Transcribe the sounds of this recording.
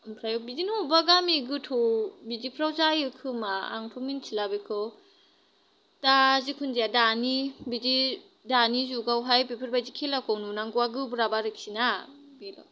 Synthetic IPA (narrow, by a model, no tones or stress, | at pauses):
mpʰɾajɔbizinubaɡamiɡɯtʰobizipʰɾawzajɯkʰɯmaa̰ŋtʰomint͡ʃʰilabikʰɯw | tazikʰundijadanibizi | danizuɡawɦajpipʰɯɾbajzikʰelakʰɔnunaŋɡuaɡɯbɾabaɾɯk̚sina | bila̰